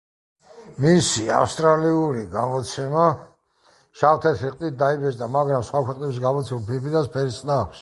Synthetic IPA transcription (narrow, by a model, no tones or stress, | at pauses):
misia̰fst̪ʼɾaliuɾiɡamɔt̪sʰɛma | ʃaft̪ʰɛt̪ʰiqʼt̪ʼit̪̚d̪aibɛt͡ʃd̪amaɡɾamsχwakʰwɛqʼnɛbis̬ɡamɔt̪sʰɛmupʰipʰid̪aspʰɛɾisʼnaːkʷʰs